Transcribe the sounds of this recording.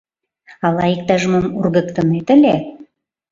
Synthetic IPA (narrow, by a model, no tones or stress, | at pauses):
ɑlɑik̚t̪ɑʒmɤmurɣə̆kt̪ənet̪ə̆lʲe